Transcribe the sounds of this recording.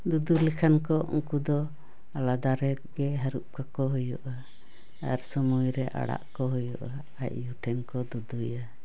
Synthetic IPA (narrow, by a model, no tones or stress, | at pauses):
d̪ud̪ulikʰankɔʔṵŋkud̪ɔ | alad̪aɾɛɡɛɦaɾuʔ̚kakɔɦujɔʔa | a̰ɾsɔmujɾɛʔa̰ɽa̰ʔkɔɦujɔʔa | ac̚juʈʰɛnkɔd̪ud̪uja